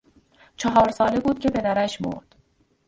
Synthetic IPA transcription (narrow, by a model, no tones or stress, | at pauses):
t͡ʃʰɒɦɒːɾsɒːle̞buːd̪̥̚cʰe̞pʰe̞d̪æɾæʃmo̰ɾd̪̥